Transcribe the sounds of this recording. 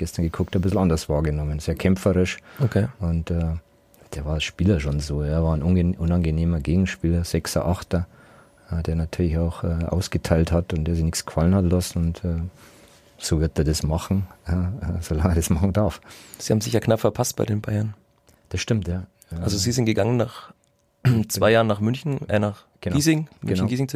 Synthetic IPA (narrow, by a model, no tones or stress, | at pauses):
ɡ̥ɛstɐnɡəkʰʊk̚tɛbɪsl̩andɐsv̥aːɐɡənɔmənz̥eːɐkʰɛmfɐʁɪʃokʰeːʔʊntɛː | d̥eːɐvaːɐlsʃpiːlɐʃonzoːɐvaːnʔʊnʔʊnanɡəneːmɐɡeːɡŋ̩ʃpiːlɐz̥ɛksɐ̰ʔaχtɐ | ʔɛːdeːɐnatʰyːɐlɪçaʊxɛːʔa̰ʊsɡ̥ətʰaɪlthatʊntd̥eːɐzɪçnɪçt͡ssɡ̥ə̥falənhatlasn̩ʊntʰɛː | z̥oːvɪɐt̚d̥eːɐdɐsmaχn̩ːɛːz̥olaŋeɐdɛsmaχn̩daɐfz̥iːhaːm̩zɪçaːknapfɛɐpʰast̚b̥aɪdeːnbaɪɐn | d̥asʃtɪmtjaː | ʔalzoziːzɪntɡ̥əɡaŋənnaːχ | t͡svaɪjaːʁənaːχmʏnçn̩naːχ | ɡ̥əniːzɪŋmnçnɡiːzɪŋt͡s